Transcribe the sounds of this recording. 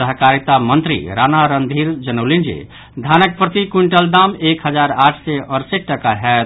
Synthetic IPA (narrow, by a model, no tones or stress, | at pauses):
əɦəkaɾit̪amənt̪ɾḭɾanaɾənd̪ʱiɾd͡ʒənəwlind͡ʒḛ | d̪ʱanək̚pɾət̪ikuɳʈəld̪amekɦəd͡ʒaɾaʈʰsɛʔəɾseʈəkaɦɛ